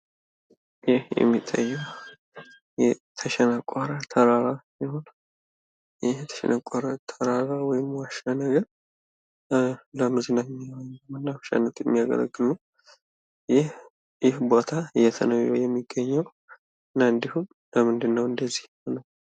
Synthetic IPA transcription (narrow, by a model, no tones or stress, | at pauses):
jɪhjɛ̰mːit̪ʰʼːa̰jːɛw | jɛt̪ʰəʃɛnakʼaɾat̪ʰəɾaɾasihon | jɪht̪ʰə̥ʃɛ̰nʔakʷʼaɾat̪ʰəɾaɾawɔjɪmwaʃanəɡəɾ | ləmɨzɨnamːijawaɲːmɨnːaβʃa̰nːət̪jɛmːijaɡə̰lə̰ɡːɨlu | jɪh | jɪhbo̞t̪ʰaɨjɛt̪ʰənəwɛjɛmːiɡːəɲːɛw | ɨnːaɨnd̪ihun | ləmɨnd̪ɨnːəwɨnd̪əzːih | nəw